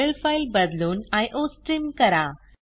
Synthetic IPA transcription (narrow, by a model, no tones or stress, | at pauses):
elfajlbəd̪luːnajʔosʈɾimkəɾa